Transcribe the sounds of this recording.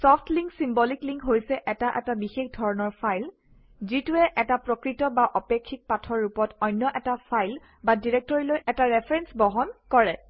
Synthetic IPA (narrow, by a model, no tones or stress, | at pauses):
sɔfʰtʰliŋksimbɔlikliŋkɦojsɛʔɛtaʔɛtabixexdʱɔɹɔnɔɹpʰajl | zituɛʔɛtapɹɔkɹitɔbaʔɔpekʰːik̚patʰɔɹːupɔtɔjnjɔʔɛtapʰajl | badiɹek̚tɔɹilojɛtaɹɛpʰɹɛnsbɔɦɔnkɔɹɛ